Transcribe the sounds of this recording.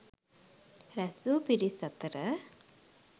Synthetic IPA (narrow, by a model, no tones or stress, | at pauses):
ɾɐsupiɾisɐt̪ɾə